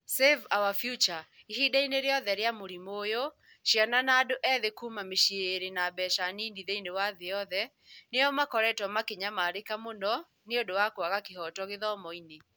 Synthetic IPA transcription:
sevawafjut͡ʃa | ihidaineɾeɔðɛɾeamoɾimojo | ʃjananaːdoʔɛðekuːmameʃieeɾenabɛʃaniːndiðeinewaðeɔðɛ | neɔmakɔɾɛtɔmakeɲamaːɾekamonɔ | neodowakwaɣakehɔtɔɣeðɔmɔine

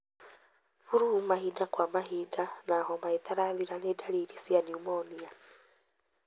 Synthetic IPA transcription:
fuɾuumaɦidakwamaɦidanaɦɔmaitaɾaðiɾanedaɾiːɾisianiumɔːnia

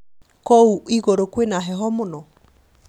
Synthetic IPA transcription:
kɔuiɣoɾokwenaɦɛɦɔmonɔ

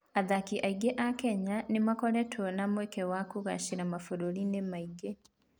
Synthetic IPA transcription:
aðakiʔaiɡeʔakɛɲanemakɔɾɛtʰɔnamwɛkɛwakuɣa̰ʃiɾamafoɾoɾinemaiɡe

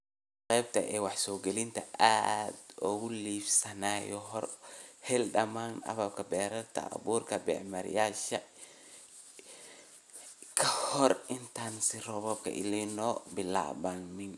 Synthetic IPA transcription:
qɛjb̚t̪ʰɐʔɛːwɑħsɔːɡɛlɪnt̪ʰɐʔad̪ɔɣʊliːfsɐnaːjɔɦɔrhɛlɖɐmaːnɐ̰βɐb̚kʰɐbɛːɾɐrt̪ʰɐ̰ʔɐ̰βuːrkʰɐbɛ̰ːʕmɐɾɪ̰jaːʃɐ | kʰɐhɔrɪnt̪ʰaːnsɪrɔβɔb̚kʰɐ̰ʔɪ̰lɛnɔːbɪla̰ːbanmɪn

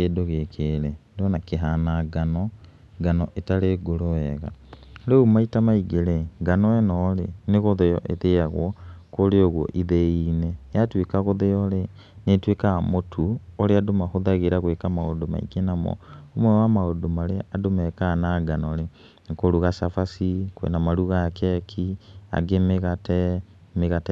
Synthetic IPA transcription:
kedoɣekʰelendonakeɦanaɡanɔ | ɡanɔʔetaleɡoloɛɣa̰leumaitamaiɡeleɡanɔɛnɔlenɪɣoðejɔ̰ʔeðejaɣwɔkoleoɣwo̰ʔiðeinejatwekaɣoðejɔle | netwekamotʰuoɾeadomaxoðaɣeɾaɣwekamaodoma̰ḭɡenamɔ̰omɛwamaodomaɾeadomɛkanaɡanɔɾe | ŋkoɾuɣasafasikwɛ̰namaɾuɣakɛkʰia̰ɡemɣatɛ | meɣatɛ

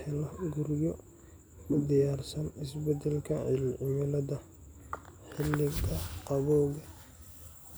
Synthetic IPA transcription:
ɪlɐɡʊɾɪjɔ | kʰʊd̪ɪjaːrsɐnɪsbɛd̪ɛlkʰɐɪlʕɪmɪlɐdɐ | ħɪlːɪɡɐqɑβɔːɣɐ

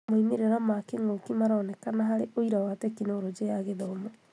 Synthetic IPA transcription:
moimeɾeɾamakeŋokimaɾɔːnɛkanaɦaɾeoiɾawaːtɛkinoɾod͡ʒejaɣeðɔːmo

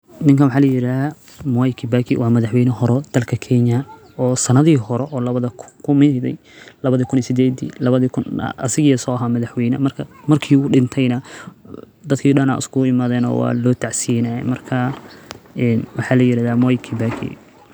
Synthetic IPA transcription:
nɪŋkɐwʊħɑːlɐjɪɾaːða | mɔjkʰibaːkʰḭwɑːmɐðɐħwɛjnɛhɔɾɔd̪̥ɐlkʰɐkʰɛɲɐ | ɔːsɐnɐðiːhɔɾɛʔɔːlɐβɐðɐkʰʊmɪðɛ̰j | lɐβɐðiːkʰʊnisɪd̪ɛːd̪ḭːlɐβɐðiːkʰʊn̰ɐ̰sɪɣisɔːɦaːmɐðɐħwɛjnɐmɐrkʰɐmɐrkʰiːʊɗɪnt̪ʰɛjnɐ | d̪ɐd̪kʰiːɗɐna̰ːʔɪ̰skʰʊɪmaːðɛːnɔ̰ːwɑ̰ːlɔːt̪ʰaʕsijnɐɛ̰mɐrkʰɐ | ɛnwɑħɑːlɐjɪɾaːðaːmɔjkʰibaːkʰḭ

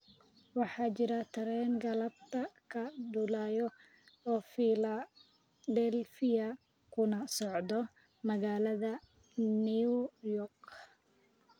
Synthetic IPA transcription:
wɑħɑːt͡ʃɪɾɐt̪ʰɐɾɛːŋɡɐlɐb̚t̪ʰɐkʰɐɖʊlaːjɔ | ɔːfiːlɐ | d̪ɛlfɪɐ | kʰʊnɐsɔʕd̪ɔ | mɐɣaːlɐðɐ | niujɔrk

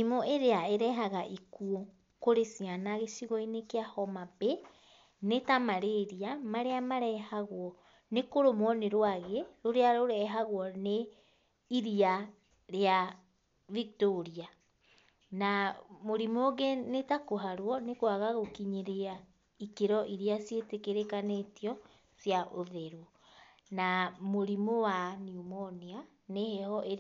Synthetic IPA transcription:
imoeɾeaeɾɛɦaɣaʔikuɔ | koɾesianaɣesiɣɔinekeahɔmabɛ | netamaɾeɾiamaɾeamaɾɛhaɣoɔ | nekoɾomwɔneɾoaɣeɾoɾeaɾoɾɛɦaɣwɔne | iɾia | ɾea | vik̚toɾia | namoɾimoːɣɛnetakoɦaɾwɔnekwaɣaɣokiɲeɾea | ikeɾɔʔiɾiasjetekeɾekanetijɔ | sjaʔoðɛɾwɔ | namoɾimowaniumɔnia | nehɛhɔʔe

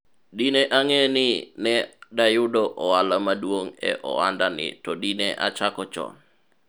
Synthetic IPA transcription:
dineʔaŋeninedajudoʔoaləmaduoŋḛʔo̰andanḭt̪ɔdineʔa̰t͡ʃakɔt͡ʃɔ̰

